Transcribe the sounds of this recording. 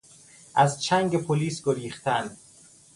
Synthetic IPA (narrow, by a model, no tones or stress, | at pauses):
ʔæzt͡ʃʰæŋɡepʰoliːsɡoɾiːχt̪ʰæn